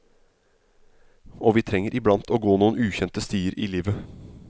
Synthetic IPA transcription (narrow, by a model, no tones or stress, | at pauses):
ɔʋiːt̪ʰɾɛŋːəɾʔɪblɑnt̪ʰoːɡoːnuːənʉːçɛnt̪əst̪yːəɾḭːliːʋə